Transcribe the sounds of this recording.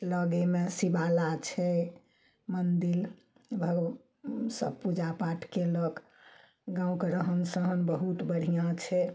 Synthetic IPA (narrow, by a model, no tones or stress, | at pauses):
ləɡemesibalat͡ʃʰɛ | mənd̪il | bʱəɡ | səbpud͡ʒapaʈʰkelək | ɡãũkeɾəɦənsəɦənbəɦut̪bəɽ̤ijãt͡ʃʰɛ